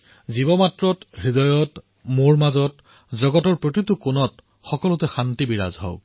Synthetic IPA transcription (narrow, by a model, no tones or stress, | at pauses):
zibɔmatɹɔtɹidɔjɔt | moɹmazɔt | zɔɡɔtɔɹpɹot̬itʊkʊnɔt | xɔkɔlʊtɛxantibiɹa̰zɦɔ̰ʊ